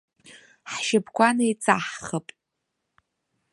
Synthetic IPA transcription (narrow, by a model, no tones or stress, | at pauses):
ħʃɪbʰkʷʰanejt͡sʼaħχəpʼ